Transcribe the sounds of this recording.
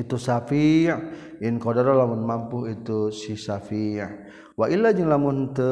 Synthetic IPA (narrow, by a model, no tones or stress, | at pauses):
it̪usafi | inkodaɾalamunmampuɦit̪usisafi | waʔilad͡ʒəŋlamunt̪ə